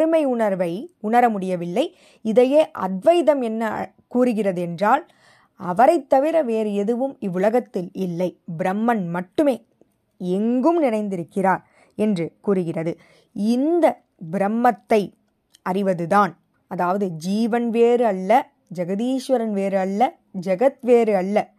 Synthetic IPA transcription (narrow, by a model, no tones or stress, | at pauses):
ɐɾɯmɐɪʊɳɐɾʋɐɪʊɳɐɾɐmʊɽɪjɐʋɪlːɐɪ | ɪðɐjeːʔɐd̪ʋɐjðɐmɛnːɐ | kuːɾɯɣɪrɐðɯɛndraːl | ɐʋɐɾɐɪt̪ːɐʋɪɾɐʋeːɾɛðɯʋɯmɪʋːʊlɐɣɐt̪ːɪlɪlːɐɪbɪɾɐmːɐnmɐʈːɯmeː | ɛŋɡɯmnɪnɐɪnd̪ɪɾɯkːɪɾaːɾ | ɛndrɯkuːɾɯɣɪrɐðɯ | ɪnd̪ɐ | bɪɾɐmːɐt̪ːɐɪ | ɐrɪʋɐðɯðaːn | ɐðaːʋɐðɯd͡ʒiːʋɐnʋeːɾɯɐɭːɐ | d͡ʒɐɣɐðiːʂʋɐɾɐnʋeːɾɯɐɭːɐ | d͡ʒɐɣɐt̪ʋeːɾɯɐɭːɐ